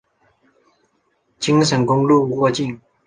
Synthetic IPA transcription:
t͡ɕi˥ŋʂə˨˥ŋkʊ˥ŋlu˥˧˨kwɔ˥˧t͡ɕi˥˩ŋ

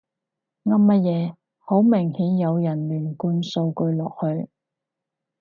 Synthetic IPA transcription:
ŋɐ˥mmɐ˥t̚jɛː˨˧ | ho˨˥wmɪ˨˩ŋhiː˨˥njɐ˨˧wjɐ˨˩nlyː˨˩nkuː˧nso˧wkɵ˧ɥlɔː˨k̚hɵ˧ɥ

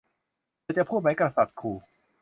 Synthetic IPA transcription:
t͡ɕa˧˩pʰuː˥˩t̪̚ma˦jkɾa˧sa˨˩t̪̚kʰuː˧˩

